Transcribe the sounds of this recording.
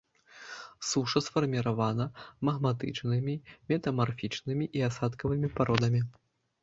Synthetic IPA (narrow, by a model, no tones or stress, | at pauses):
suʂɐsfɐrmʲiɾavanɐmɐɣmat̪ɨ̰t͡ʂnɨmʲimʲɛt̪ɐmarfʲit͡ʂnɨmʲiʔiasat̪kɐvɨmʲipaɾɔd̪ɐmʲi